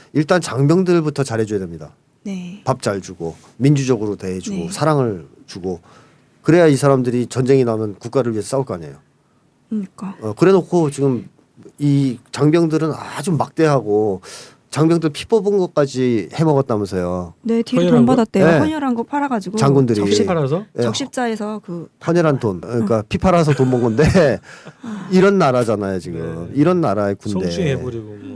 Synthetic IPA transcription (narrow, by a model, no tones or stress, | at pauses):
iɭt͈ant͡ɕaŋbjʌŋdɯɭbutʰʌt͡ɕaɾɦe̞d͡ʑujade̞mɲida̰ | nepap̚t͡ɕ͈aɭd͡ʑuɡo | mind͡ʑud͡ʑʌɡɯɾote̞ɦed͡ʑuɡosʰaɾaŋɯɭ | t͡ɕuɡo | kɯɾe̞jaisʰaɾamdɯɾit͡ɕʌnd͡ʑe̞ŋinamjʌnkuk͈aɾɯɭɥiɦesʰʌs͈auɭk͈ʰoaɲe̞̰jo | ɲik͈aʌkɯɾe̞nokʰot͡ɕiɡɯm | it͡ɕaŋbjʌŋdɯɾɯnad͡ʑomːak̚t͈e̞ɦaɡo | t͡ɕaŋbjʌŋdɯɾpʰi̥p͈ʌbɯnɡʌk͈ad͡ʑihe̞mʌɡʌt̚t͈amjʌnsʰejone̞titonbadat̚t͈ejeɲʌɾɦanɡʌpʰaɾaɡad͡ʑiɡot͡ɕaŋɡundɯɾiɾsʰjeʌkɕ͈ip̚t͡ɕ͈aesʰʌkɯhʰʌɲʌɾɦantonkɯɲik͈apʰipʰaɾas̬ʰʌtonbʌŋɡʌnde̞ | iɾʌnːaɾad͡ʑanajot͡ɕiɡɯmiɾʌnːaɾaekunde̞oɾiɡ